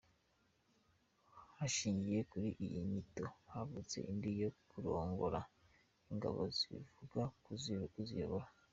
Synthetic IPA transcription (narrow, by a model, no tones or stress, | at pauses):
haʃiːɲɟije̞kuɾiʔijiɲito̞haβut͡se̞̰ʔindijokuɾo̞ːŋɡo̞ɾa | iŋɡa̰βo̞̰ziβḭvuɡakuzkuzijoβoɾa